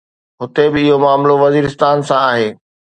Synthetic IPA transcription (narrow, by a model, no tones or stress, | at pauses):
ɦʊt̪ebɪɪɦomaːmloʋɐziːɾɪst̪aːnsãaːɦeː